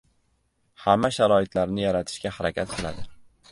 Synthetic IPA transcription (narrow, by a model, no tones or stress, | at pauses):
hamːaʃaɾɒɪt̪ʰlaɾnɪjaɾat̪ʰɪ̥ʃkʲahaɾakʲʰat̪̚qʰɨla̰d̪ɪ